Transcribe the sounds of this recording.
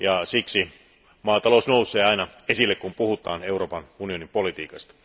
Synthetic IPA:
jɑsiksi | mɑːt̪ɑlosnousˑeːɑinɑesilːekkumpuhut̪ˑɑ̰ːneuro̞ːpɑnunio̞nimpolit̪ḭːkɑst̪ɑ̥

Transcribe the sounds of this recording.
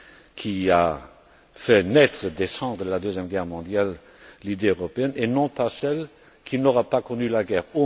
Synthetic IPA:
kʰia | fɛnɛt̪χəd̪esɑ̃d̪ʁəlad̪øzjɛmɡɛʁmɔ̃d̪jalː | id̪eøʁɔpeɛnenɔ̃pasɛl | kʰinɔʁapakɔnylaɡɛːʁo

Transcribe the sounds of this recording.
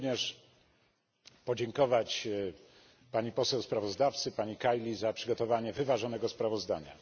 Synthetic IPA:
ɲɛʂ | pɔd͡ʑɛŋkɔvat͡ɕ | paɲipɔsɛwspɾavɔzd̪aft̪sɘpaɲikajlʲizapʂɘ̥ɡɔt̪ɔvaɲɛvɘvaʐɔnɛɡɔspɾavɔzd̪a̰ɲa̰

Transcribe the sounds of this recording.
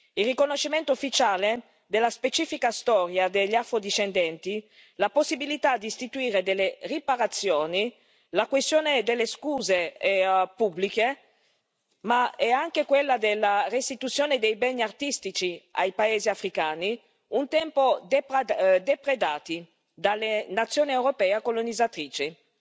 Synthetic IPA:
ilrːikonoʃːiment̪oofːit͡ʃaːle | d̪elːaspet͡ʃiːfikast̪ɔɾjad̪eʎːafɾod̪iʃend̪ɛnt̪i | laposːibilit̪ad̪iːst̪it̪uiːɾed̪elːeripaɾat̪sːjoːni | lakwest̪joːned̪elːeskuːze | publike | maɛaŋk̟ekwelːad̪elːarest̪it̪ut̪sːjoːned̪ejbɛnːiart̪ist̪it͡ʃia̰jpaeːziafɾikaːni | unt̪ɛmpod̪epd̪epɾed̪aːt̪i | d̪alːenat̪sːjoːniewɾopɛːakolonid̪zːat̪ɾiːt͡ʃi

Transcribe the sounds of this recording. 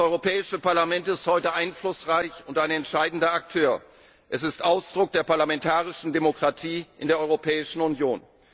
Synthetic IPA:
ʔɔʏʁopʰɛːɪʃəpaɐlamɛntɪsthɔʏtəʔaɪnflʊsʁaɪçʊntaɪnɛntʃaɪdn̩dɐak̚tʰøːɐ | ʔɛsɪstʔaʊsd̥ʁʊk̚d̥eːɐpaɐlamɛntʰaːʁ̞ɪʃn̩demokʁ̥atʰiːʔɪndeːɐɔʏʁopʰɛːɪʃn̩ʊnjoːn

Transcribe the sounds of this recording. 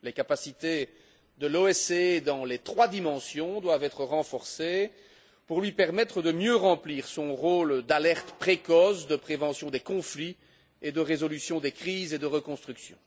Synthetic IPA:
lekapasit̪e | d̪əloɛsed̪ɑ̃let̪χwad̪imɑ̃sjɔ̃d̪wavɛt̪χəʁɑ̃fɔʁse | puʁlɥipɛʁmɛt̪χəd̪əmjøʁɑ̃pliːʁsɔ̃ʁoːld̪alɛʁt̪pχekɔsd̪əpχevɑ̃sjɔ̃d̪ekɔ̃fli | ed̪əʁezɔlysjɔ̃d̪ekχiːzed̪əʁəkɔ̃st̪χyksjɔ̰̃

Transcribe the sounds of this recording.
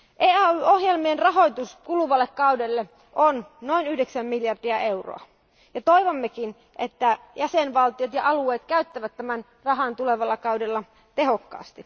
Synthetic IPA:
ʔeːɑyohjelmienrɑɦojt̪uskuluʋɑlːekkɑudelːe | ʔonno̞inyhdeksæmːiljɑrdiæeuro̰ɑ̰ | jɑt̪oiʋomːekin | ʔet̪ːæ | jæsenʋɑlt̪iot̪jɑʔɑlueːt̪kæyt̪ːæʋæt̪tːæmæn | rɑɦɑˑnt̪uleʋɑlːɑkɑwdelːɑ | t̪ehokːɑ̰ːst̪i

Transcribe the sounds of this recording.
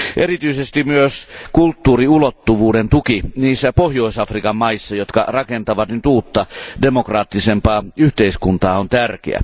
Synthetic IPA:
ʔerit̪yisest̪imyøskult̪ːuːriulot̪ːuʋuːdent̪ukiniːsːæpohjoisɑfrikɑmmɑisːɑjot̪kɑ̰rɑkent̪ɑʋɑt̪nyt̪uːt̪ːɑdemokrɑːt̪ːisempɑːyht̪eiskunt̪ɑːont̪ærk̟ḛæ̰

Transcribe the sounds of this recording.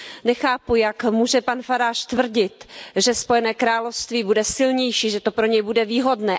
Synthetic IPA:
nɛxaːpujakmuːʒɛpanfaɾaːʃt̪vr̩ɟɪt̪ʒɛspo̞jɛnɛːkɾaːlofst̪viːbudɛsɪlɲɛjʃiːʒɛt̪o̞pɾo̞ɲɛjbudɛviːɦo̞dnɛː

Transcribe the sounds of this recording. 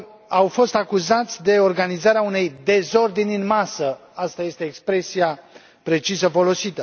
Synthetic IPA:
awfo̞st̪akuzat̪sʲd̪e̞o̞rɡanizaɾeaune̞jd̪e̞zo̞rd̪inʲɨnmasəast̪aje̞st̪e̞ːkspɾe̞sia | pɾe̞t͡ʃisəfo̞lo̞sit̪ə

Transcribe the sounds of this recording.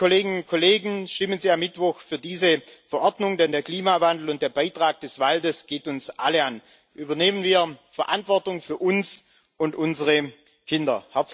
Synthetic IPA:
koleːɡɪnʊnt̚kʰoleːɡŋ̩ʃtɪmənziːamːɪtv̥ɔxfyːɐdiːzəfɛɐʔɔɐdnʊŋdɛndeːɐkl̥iːmavandl̩ʊnt̚d̥eːɐbaɪtʁ̥aːk̚d̥ɛsv̥aldəsɡ̥eːtʊnsʔa̰ləan | ʔyːbɐneːmənviːɐfɛɐʔa̰ntv̥ɔɐtʊŋfyːɐʔʊns | ʔʊntʔʊnzəʁə | kʰɪndɐ̰hɛɐt͡s

